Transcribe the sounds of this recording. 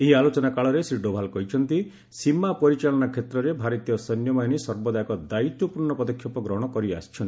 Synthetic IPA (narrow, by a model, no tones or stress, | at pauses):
eɦialot͡ʃɔnakaɭɔɾesɾiɖobʱalkɔɦit͡ʃʰɔnt̪i | simapɔɾit͡ʃalɔnakʰet̪ɾɔɾebʱaɾit̪ijɔsɔnjɔmajñisɔɾbɔd̪ajkɔd̪ait̪wɔpuɾɳɔpɔd̪ɔkʰːjɔpɔɡɾɔɦɽ̃ɔkɔɾiasi̥t͡ʃʰɔnt̪i